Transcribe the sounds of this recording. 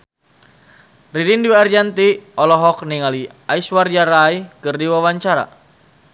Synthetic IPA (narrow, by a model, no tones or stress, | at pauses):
ridindiward͡ʒant̪iɔlɔɦɔk̚niŋali | aisward͡ʒaɾajkɨrdiwawaɲt͡ʃaɾa̰